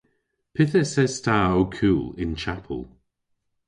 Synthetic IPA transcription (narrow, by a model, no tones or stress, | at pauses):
pʰɪθəsɛstʰaːokʰuːlɪnt͡ʃʰapʰə̰lˠ